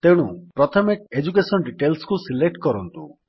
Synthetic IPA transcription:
t̪eɽ̃upɾɔt̪ʰɔmek̚ed͡ʒukesɔnɖiʈelskusilek̚ʈkɔɾɔnt̪ṵ

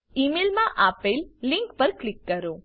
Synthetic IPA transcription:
imelmãʔapelːɪ̃ŋkpəɾklɪkːəɾõ

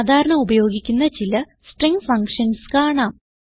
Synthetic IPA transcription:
d̪ʱaːɾɐɳɐmubɐjo̞ːɡikʲːunːɐt͡ɕilɐ | sʈreŋfɐŋkʂɐnskaːɳaːm

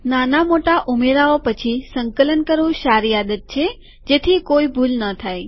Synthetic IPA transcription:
nanamoʈaʔumeɾaopət͡ʃʰisəŋkələnkəɾʋũʃaɾijad̪ət̪̚t͡ʃʰe | d͡ʒet̪ʰikoibʱulnət̪ʰaj

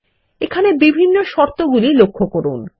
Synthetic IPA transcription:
ekʰanebibʱinːoʃɔɾt̪oɡulilokʰːokoɾun

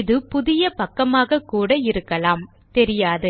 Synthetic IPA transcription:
ɪðɯpʊðɪjɐpɐkːɐmaːɣɐkːuːɽɐɪɾɯkːɐlaːm | t̪ɛɾɪjaːðɯ

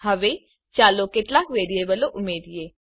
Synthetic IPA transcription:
ɦəʋeː | t͡ʃaːloːkeʈlakʋeːɾieːbəloʔʊmeːd̪ieː

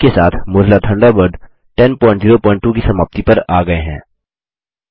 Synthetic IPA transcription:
kesaːt̪ʰmʊːɾɦlat̪ʰɐ̃ɳɖabəɾɖ | ʈɛnpɔ̃ːɪ̃ɳʈziːɾopɔ̃ːɪ̃ɳʈːuk̬isɐmaːb̚t̪ipɐɾaːɡɐeɦɛ̰̃ː

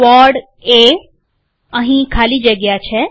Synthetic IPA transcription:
ɔɾɖ | e | əɦĩkʰalid͡ʒəɡjat͡ʃʰe

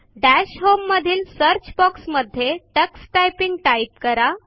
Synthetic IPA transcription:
ɖæɕɦomːəd̪ʱiːlsəɾt͡ɕbɔksməd̪ʱːjeʈəksʈajpiŋɡʈaip̚kəɾa

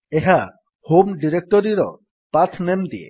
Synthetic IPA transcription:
eɦa | homɖiɾek̚ʈɔɾiɾɔ̰ | pat͡sʰnemd̪iḛ

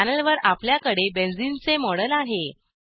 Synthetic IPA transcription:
anəlʋəɾapljakəɽebend͡zint͡semɔɽəlaɦe

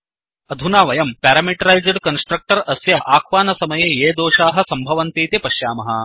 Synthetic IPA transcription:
ɐd̪ʱunaːʋɐjɐmpæːɾɐmiʈɐɾɐjzɖkɐnsʈɾɐk̚ʈɐɾɐsjɐʔaːkʰʋaːnɐsɐmɐjeːjeːd̪oːʃaːɦɐ̆sɐmbʱɐʋɐnt̪iːt̪jepɐʃjaːmɐɦɐ̰̆

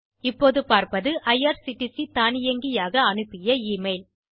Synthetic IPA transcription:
ɪpːoːðɯpaːɾpɐðɯʔɐjaːɾsɪʈːisit̪aːnɪjɐŋɡɪjaːɣɐːnɯpːɪjɐiːmɐɪl

